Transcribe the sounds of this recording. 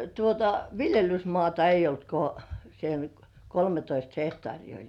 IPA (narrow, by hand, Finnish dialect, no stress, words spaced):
tuotɑ ʋiljelysmŏɑˑtɑ ei olt ko sen kolmetoist hehtŏɑˑriː olʲ